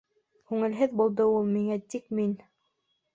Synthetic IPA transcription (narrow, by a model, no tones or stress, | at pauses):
kʉŋɘ̆lɦɘðbulˠd̪ɤulˠmiŋæt̪ik̚min